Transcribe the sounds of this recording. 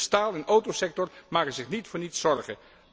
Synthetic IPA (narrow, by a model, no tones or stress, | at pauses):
staːlˠɪnʔowtowsɛk̚tɔrmaːkənzɪχnitfʊːɹnitsɔɹχə̰n